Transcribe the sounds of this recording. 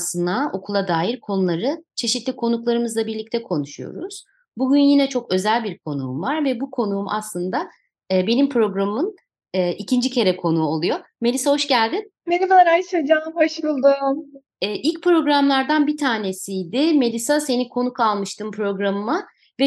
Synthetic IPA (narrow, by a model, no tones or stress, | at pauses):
sɯnao̞kʰulˠad̪aːjiɾkʰo̞nulˠaɾɯt͡ʃʰe̞ʃit̪lʲikʰo̞nuklˠaɾɯmɯzlˠabiɾlʲic̚t̪ʰɛkʰo̞nuʃujo̞̰ɾuz̥ | buɟynjinɛt͡ʃʰo̞kø̞zælʲbiɾkʰo̞nṵːmvaɾvɛbukʰo̞nuumʔa̰slˠɯnd̪aː | be̞nimpʰɾo̞ɡɾamɯn | ɛːʔicʰind͡ʒicʰe̞ɾɛkʰo̞nuo̞lˠujo̞me̞lʲisaɦoʃɟælʲd̪in | benivaɾajsed͡ʒaːmbaʃɯɯlˠd̪ɯm | ɛːʔilʲc̚pɾo̞ɡɾamlˠaɾd̪anbit̪ʰaːne̞sijd̪ɪme̞lʲisase̞nikʰo̞nukalˠmɯʃt̪ʰɯmpʰɾo̞ɡɾamɯma | vɛ